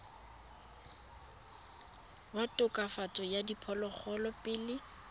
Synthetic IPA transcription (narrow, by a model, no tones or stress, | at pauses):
batʼʊkʼafat͡sʼɔjadipʰɔlɔk͡xʰɔlɔpʼɪlɪ